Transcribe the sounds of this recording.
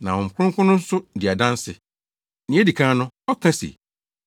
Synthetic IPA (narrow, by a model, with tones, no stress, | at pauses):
nã̰˨ɔ̃˨ŋ̩˨kʰʊ̃˦ŋ˦kʰʷʊ̃˦nʊ̃˦n̩˦sʊ˦dɪ˨a˨dã˦n˦sɪ̰˨ | nɪ̃˨˦ɛ˦di˨kʰã˦nʊ̃˦ɔ˦kʰa˦sḛ˨